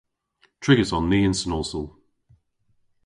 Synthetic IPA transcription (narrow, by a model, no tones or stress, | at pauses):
tʰɹ̥ɪɡəzn̩ːiːɪ̃nsənɔːlˠsəlˠ